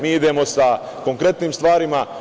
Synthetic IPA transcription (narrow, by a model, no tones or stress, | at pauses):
miːid̪e̞ːmo̞sa | ko̞ŋkɾe̞t̪niːmst̪ʋaːɾima